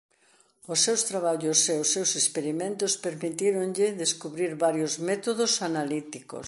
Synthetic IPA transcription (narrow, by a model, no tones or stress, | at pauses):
ʊsːewst̪ɾaβaʎʊseʊsːewsespeɾimẽnt̪ospeɾmit̪iɾoŋʎɪðeskuβɾiɾβaɾjozmet̪oðosanalit̪iko̰s